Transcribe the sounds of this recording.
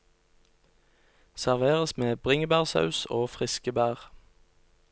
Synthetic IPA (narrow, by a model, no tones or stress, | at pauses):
sæʁʋeːʁəsmeːbʁɪŋəbæːʁsɑ̰ʉsoːfʁɪskəbæːʁ